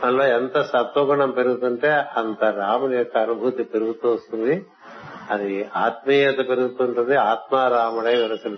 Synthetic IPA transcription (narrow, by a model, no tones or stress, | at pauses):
ɐlːoɛnt̪ɐsɐt̪oɡɐɳɐmpeɾuɡut̪ːɐɳʈeɐnt̪ɐɾaːmɐnjɐt̪ːɐɐnubʱut̪ipeɾuɡut̪ːuɐst̪uʋi | ɐd̪iaːt̪̚mijɐt̪ɐpeɾuɡut̪ːuɐnt̪ɐnd̪eaːt̪maːɾaːmɐɽɐjʋɐɾɐsɐl